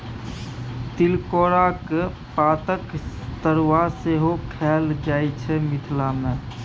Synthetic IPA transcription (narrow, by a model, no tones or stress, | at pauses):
t̪ɪlkoːɾak | paːt̪ək | t̪əɾwaseɦokʰɛːld͡ʒaːit͡ʃʰɛmɪt̪ʰlamẽ